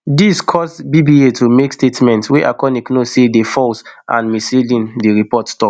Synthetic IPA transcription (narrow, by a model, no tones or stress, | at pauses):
diskʰɔsbibietʰumekstetmɛ̃ntsweʔakɔnĩknosedefɔlsʔã̰nmiselĩndiɹipɔtstɔk